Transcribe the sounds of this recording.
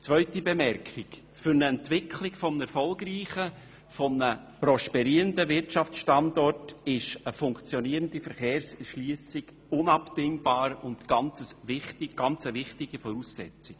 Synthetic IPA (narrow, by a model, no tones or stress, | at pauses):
t͡sʋœʏtibɛmɛɾkχɪk | fʏɾnəɛntʋɪkʰlɪkfɔmnɛɾfɔlɡɾiːχə | fɔmnə | pɾɔʃpɛɾiːɾəndəvɪɾtt͡ʃɑft͡sʃtɑndɔrtɪʃəfʊŋkt͡sjɔniəɾəndifɛɾχeːɾsʃliːsɪɡ | ʊnɑpd̥ɪŋb̥ɑːɾʊntɡ̥ɑnt͡səsvɪχtɪɡ̥ɑnt͡səvɪχtɪɡ̥ifɔɾuːsːɛt͡sɪk